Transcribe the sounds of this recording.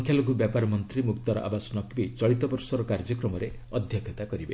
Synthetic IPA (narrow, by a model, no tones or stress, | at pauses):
ŋkʰjaloɡubjapaɾɔmɔnt̪ɾimukt̪ɔɾɔʔa̰basɔnɔkbit͡ʃɔɭit̪ɔbɔɾsɔɾɔkaɾd͡ʒɔkɾɔmɔɾe | ɔd̪ʱjɔkʰɔt̪akɔɾibe